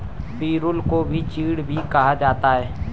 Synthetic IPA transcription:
piːɾʊlkobʱit͡ʃiːɽbʱikɐɦad͡ʒaːt̪aɦɛː

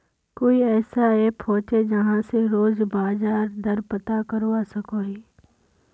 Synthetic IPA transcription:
koːiɛːsaepʰɔːt͡ʃed͡ʒɐɦãseɾoːzbaːzaːɾd̪ʱɐɾpət̪akɐɾʋasɐkoɦiː

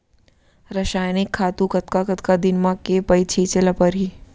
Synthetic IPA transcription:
ɾɐʃaːjnɪkʰːaːt̪ũkɐt̪kakɐt̪kad̪ɪnmãkepɐit͡ʃʰit͡ʃeləpɐɾɦiː

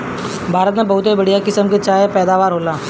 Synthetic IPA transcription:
bʱaːɾət̪̬nẽbəɦʊt̪ɦibəɽijakɪsəmket͡ʃaːɦepɛːd̪aːʋaːɾɦoːlaː

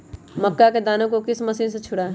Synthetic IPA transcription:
mɐkːaked̪aːnõkokɪsmɐsiːnset͡ʃʰʊɽaɛ

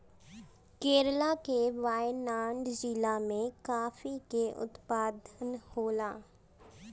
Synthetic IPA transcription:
keːɾlakeʋaːjnaːɳɖd͡ʒiːlamẽkaːfikeʔʊ̰t̪paːd̪ʱənhoːlaː

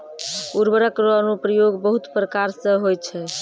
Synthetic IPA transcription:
kuɾbəɾəkɾənupɾəjoɡbəɦut̪pɾəkaɾsə̃ɦojt͡ʃʰɛ

